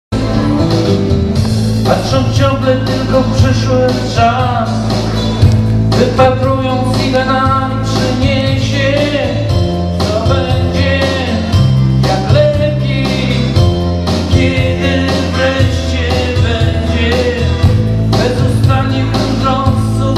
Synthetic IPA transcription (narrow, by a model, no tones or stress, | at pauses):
aʂɔ̃wft͡ɕɔ̃ŋɡlɛt̪ɘlkɔpʂɛʂwɪ | t͡ʂa | s | vɨpat̪ɾujɔ̃w̃zʲiɡanamʲipʂɛɲeɛɕɛ | t̪sɔbɛɲd͡ʑɛ | jaklɛpʲje | kʲɛd̪ɪ | vɾɛɕt͡ɕɛ | bɛɲd͡ʑɛ | bɛzust̪aɲɛkuʐɔt̪su